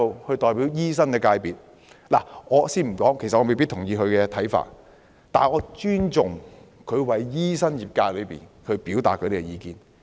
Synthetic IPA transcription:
o˨˧whɵ˧t̪ɔː˨˩jpiː˨˥wjiː˥s̬ɐ˥nkɛː˧kaː˧jpiː˨t̚ | la̰˨˩ŋɔː˨˧siː˥nm̩˨˩kɔː˨˥ŋkʰsɐ˨ʔɔː˨˧me˨jpi˥t̪ʰʊ˨˩ŋjiː˧hɵ˧ɥkɛ˧t̪ʰɐ˨˥jfa̰ː˧˨t̚ | t̪aː˨n˩ŋɔː˨˧t͡ʃyː˥nt͡sʊ˨ŋ | kʰɵ˨˧ɥwɐ˨˥jjiː˥sɐ˥njiː˨p̚kaː˧jlɵ˨˧ɥpḭː˨˩nkʰɵ˨˧ɥpiː˨˥wt̪aː˨t̚kʰːɾe˥kːɛ˧jiː˨˧kḭː˨n

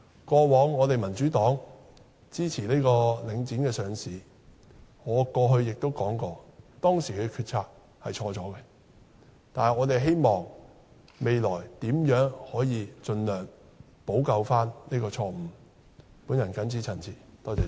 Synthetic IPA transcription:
kʷɔː˧wɔː˨˥ŋːɔː˨˧t̪e˨jmɐ˨˩nt͡ʃyː˨˥t̪ɔː˨˥ŋ | t͡siː˥t͡sʰiː˨˩neː˥jkɔː˧lɪ˨˧ŋt͡siː˨˥nkɛː˧sœː˨˧ŋsiː˨ | ŋɔː˨˧kɔː˧ɦɵ˧ɥjɪ˨k̚t̪o˥wkɔː˨˥ŋkɔː˧t̪ɔː˥ŋsiː˨˩kɛ˧kʰyː˧t̚t͡sʰaː˧k̚ | hɐ˨jt͡ʃʰɔː˧t͡sɔː˨˥kɛ˧ | t̪aː˨nhɐ˨ŋɔː˨˧t̪e˨jɦe˥jmɔː˨˩ŋ | me˨jlɔː˨˩jt̪iː˨˥mjœː˨˥ŋhɔː˨˥jiː˨˧t͡ʃɵ˧nlœː˨˩ŋ | po˨˥wkɐ˨˧wfaː˥nne˥kɔː˧t͡sʰɔː˧m̩˨˩ | puː˨˥njɐ˨˩nkɐ˨˥nt͡sʰi˨˥t͡sʰɐ˨˩nt͡sʰiː˨˩t̪ɔː˧tɛ˨˥

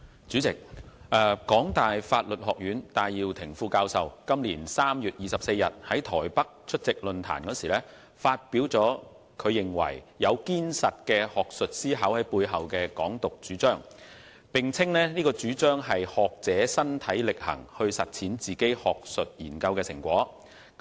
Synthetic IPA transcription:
t͡ʃyː˨˥t͡sɪ˨k̚ʔɛ˨kɔː˨˥ŋt̪aː˨˩jfaː˧t̚lɵ˨t̚hɔː˨˩k̚jyː˨˥nt̪aː˨jjiː˧wt̪ʰɪ˨˩ŋfuː˧kaː˧wsɐ˨wkɐ˥mliː˨˩nsaː˥mjyː˨t̚jiː˨˩sɐ˨p̚se˧jɐ˨t̚hɐ˨˥jt̪ʰɔː˨˩jpɐ˥k̚t͡ʃʰɵ˥t̚t͡sɪ˨k̚lɵ˨nt̪ʰa̰ː˨˩nkɔː˨˥siː˨˩lɛː˥ | faː˧t̚piː˨˥wt͡sɔː˨˥ | kʰɵ˨˧ɥjɪ˨ŋwɐ̰˨˩j | jɐ˨˧wkiː˥nsɐ˨t̚kɛː˧hɔː˨˩k̚sɵ˨t̚siː˥ɦɐ˨˥whɐ˨˥jpuː˧jɦɐ˨wkɛː˧kɔː˨˥ŋt̪ʊ˨k̚t͡ʃyː˨˥t͡ʃœː˥ŋ | pɪ˨ŋt͡sʰɪ˥ŋnɛ˥niː˥kɔː˧t͡ʃyː˨˥t͡ʃœː˥ŋɦɐ˨jhɔː˨k̚t͡sɛː˨˥sɐ˥nt̪ʰɐ˨˥jlɪ˨k̚hɐ̰˨˩ŋhɵ˧ɥsɐ˨t̚t͡sʰiː˨˥nt͡siː˨ke˥jhɔː˨k̚sɵ˨t̚jḭː˨˩nkɐ˧wkɛː˧sɪ˨˩ŋkʷwɔː˨˥

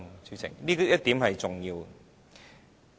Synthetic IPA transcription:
sy˨˥t͡sʰɪ̰˨˩ŋliː˥kjɐ˥t̚t̪iː˨˥mɦɐ˨jt͡sʊ˨ŋjiː˧w

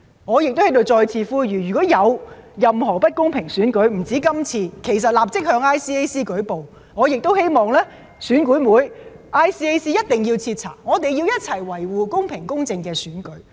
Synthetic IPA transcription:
ŋɔː˨˧jɪ˨k̚t̪o˥whɐ˨˥jt̪o˨˧wt͡sɔː˧jt͡sʰiː˧fuː˥jyː˨˩jyː˨˩kɔː˨˥jɐ˨˧wjɐ˨mɦɔː˨˩pɐ˥t̚kʊ˥ŋpʰɪ˨˩ŋsyː˨˥nkɵ˨˥ɥm̩˨˩t͡siː˨˥kɐ˥mt͡sʰiː˧kʰe˨˩js̬ɐ˨t̚laː˨p̚t͡sɪ˥k̚hœː˧ŋaː˥jsiː˥e˥jsiː˥kɵ˨˥ɥpo˨w | ŋɔː˨˧jɪ˨k̚t̪o˥whe˥jmɔː˨˩ŋlɛː˥ | syː˨˥nkuː˨˥jmuː˨˥j | ʔaː˥jsiː˥e˥jsiː˥jɐ˥t̚t̪ɪ˨˩ŋjiː˧wt͡sʰiː˧t̚t͡sʰa̰ː˨˩k̚ŋɔː˨˧t̪̬e˨jiː˧wjɐ˥t̚t͡sʰɐ˨˩jwɐ˨˩jwuː˨kʊ˥ŋpʰɪ˨˩ŋkʊ˥ŋt͡sɪ˧ŋkɛː˧syː˨˥nkɵ˨˥ɥ

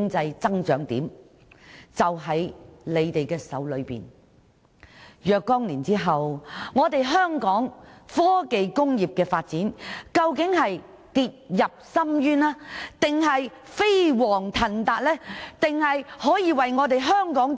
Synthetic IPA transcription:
ŋt͡sɐ˧jt͡sɐ˥ŋt͡ʃœː˨˥ŋt̪ḭː˨˥m | t͡sɐ˨wɦɐ˨˥jle˨˧jt̪e˨jkɛː˧sɐ̰˨˥wlɵ˨˧ɥpḭː˨˩n | jœː˨˧kːɔː˥ŋliː˨˩nt͡siː˥ɦɐ˨wŋɔː˨˧t̪e˨jɦœː˥ŋkɔː˨˥ŋfɔː˥ke˨˧jkʊ˥ŋjiː˨p̚kɛː˧faː˧t̚t͡siː˨˥nkɐ˧wkɪ˨˥ŋɦɐ˨j | t̪iː˧t̚jɐ˨p̚sɐ˥mjyː˥naː˥t̪ɪ˨ŋɦɐ˨j | fe˥jwɔː˨˩ŋt̪ʰɐ˨˩nt̪aː˧t̚lɛː˥t̪ɪ˨ŋhɐ˨jhɔː˨˥jiː˨˧wɐ˨jŋɔː˨˧t̪e˨jɦœː˥ŋkɔː˨˥ŋ

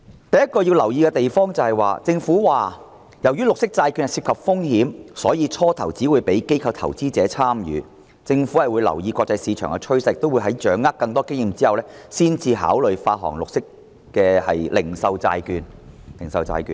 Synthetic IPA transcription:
t̪ɐ˨˩jɐ˥t̚kɔː˧ji˧wlɐ˨˩wjiː˧kɛ˧t̪e˨jfɔː˥ŋt͡sɐ˨˧whɐ˨˩jwaː˨t͡sɪ˧ŋfuː˨˥waː˨˩ | jɐ˨˩wjyː˥lʊ˨k̚sɪ˥k̚t͡saː˧jkyː˧nhɐ˨˩siː˧p̚kʰɐ˨p̚fʊ˥ŋhi˨˥msɔː˨˥jiː˨˧t͡sʰɔː˥t̪ʰɐ˨˩wt͡siː˨˥wuː˨˧jpe˨˥jke˥jkʰɐ˧wt̪ʰɐ̰˨˩wt͡siː˥t͡sɛː˨˥t͡sʰaː˥mjy̰ː˨˧ | t͡sɪ˧ŋfu˨˥hɐ˨jwuː˨˧jlɐ̰˨˩wjiː˧kʷɔː˧k̚t͡sɐ˧jsiː˨˧t͡ʃʰœː˨˩ŋkɛ˧t͡ʃʰɵ˥sɐ˨˧k̚t̪o˥wːu˨˧jɦɐ˨˥jt͡ʃœː˨˥ŋːaː˥kkɐ˧ŋt̪ɔː˥kɪ˥ŋjiː˧mt͡siː˥hɐ˨˩wlɛː˥siː˥nt͡siː˧ɦa̰ː˨˥wlɵ˨ɥfaː˧t̚ɦɔ̰ː˨˩ŋlʊ˨k̚sɪ˥kː | ɛː˧hɐ̰˨jlɪ̰˨˩ŋsɐ˨˧wt͡sa̰ː˧jkyː˧nlɪ˨˩ŋsɐ˨˧wt͡sa̰ː˧jky̰ː˧n

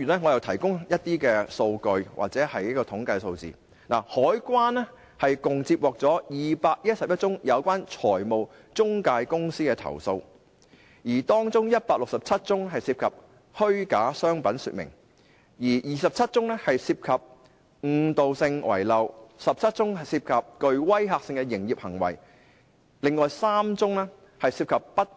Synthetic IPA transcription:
yː˨˩nɛː˥ŋɔː˨˧jɐ˨˧wt̪ʰɐ˨˩jkʊ˥ŋjɐ˥t̚t̪iː˥kɛː˧so˧wkɵ˧ɥwʔa̰˨k̚t͡sɛː˨˥hɐ˨jɐ˥kɔː˧t̪ʰʊ˨˥ŋkaː˧jso˧wt͡sḭː˨ | na̰ː˨˩hɔː˨˥jkwaː˥nɛ˥ | hɐ˨jkʊ˨ŋt͡siː˧p̚wɔː˨k̚t͡sɔː˨˥jiː˨paː˧k̚jɐ˥t̚sɐ˨p̚jɐ˥t̚t͡sʊ˥ŋjɐ˨˧wkʷaː˥nt͡ʃʰɔː˨˩jmo˨w | t͡sʊ˥ŋkaː˧jkʊ˥ŋsiː˥kɛ˧t̪ʰɐ̰˨˩wso˧w | jiː˨˩t̪ɔː˥ŋt͡sʊ˥ŋjɐ˥t̚paː˧k̚lʊ˨k̚sɐ˨p̚t͡sʰɐ˥t̚t͡sʊ˥ŋɦɐ˨jsiː˧p̚kʰɐ˨p̚ | hɵ˥ɥka̰ː˨˥sœː˥ŋpɐ˨˥nsy̰ː˨t̚mɪ̰˨˩ŋ | jiː˨˩jiː˨˩sɐ˨p̚t͡sʰɐ˥t̚t͡sʊ˥ŋnɛː˥hɐ˨jsiː˧p̚kʰɐ˨p̚ | ŋ̩˨˩t̪o˨wsɪ˧ŋwɐ̰˨˩jlɐ˨wsɐ˨p̚t͡sʰɐ˥t̚t͡sʊ˥ŋhɐ˨siː˧p̚kʰɐ˨p̚kɵ˨˧ɥwɐ˥jɦaː˧k̚sɪ˧ŋkɛ˧jɪ˨˩ŋjiː˨p̚hɐ˨˩ŋwɐ̰˨˩j | lɪ˨ŋːɔː˨jsaː˥mt͡sʊ˥ŋɛː˥ | hɐ˨jsiː˧p̚kʰɐ˨p̚ːɐ˥t̚

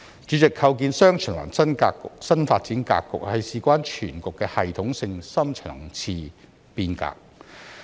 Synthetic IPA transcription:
t͡ʃyː˨˥t͡sɪ˨kʰːɐ˧wk̬iː˧nsœː˥ŋt͡ʃʰœ˨˩ŋwa̰ː˨˩nsɐ˥nkaː˧kːʊ˨k̚sɐ˥nfaː˧t̚t͡siː˨˥nka̰ː˧kːʊ̰˨k̚hɐ˨jsiː˨kʷaː˥nt͡ʃʰyː˨˩nkʊ˨kːɛː˧hɐ˨jt̪ʰʊ˨˥ŋsɪ˧ŋsɐ˥mt͡ʃʰœ̰ː˨˩ŋt͡sʰiː˧ | piː˧nka̰ː˧k̚

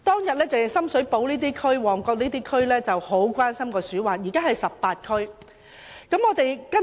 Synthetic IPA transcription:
t̪ɔː˥ŋjɐ˨t̚lɛː˥t͡sɐ˨jsɐ˥msɵ˨˥ɥpo˨˥wliː˥t̪iː˥kʰɵ˥ɥwɔː˨˩ŋkɔː˧k̚niː˥t̪iː˥kʰɵ˥ɥlɛː˥t͡sɐ˨who˨˥wkʷaː˥nsɐ˥mkɔː˧syː˨˥waː˨jiː˨˩kaː˥ɦɐ˨jsɐ˨p̚paː˧t̚kʰɵ˥ɥ | kɐ˨˥mŋɔː˨˧t̪e˨jkɐ˥

